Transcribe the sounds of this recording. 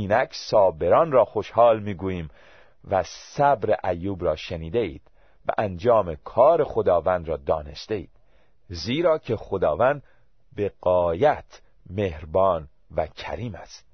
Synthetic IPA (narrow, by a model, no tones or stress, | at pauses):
iːnækʰsɒːbe̞ɾɒːnɾɒːxoʃhɒːlmiːɡuːjiːm | væsæbɾeʔæjːuːbɾɒːʃeniːd̪eḭːd̪̥ | væ̰ʔænd͡ʒɒːmekʰɒːɾe̞xod̪ɒːvænd̪ɾɒːd̪ɒːne̞st̪eḭːd̪̥ | ziːɾɒːcʰe̞χod̪ɒːvænd̪ | beɣɒːjæt̪ʰ | mehɾbɒːn | væcʰæ̰ɾiːmæst̪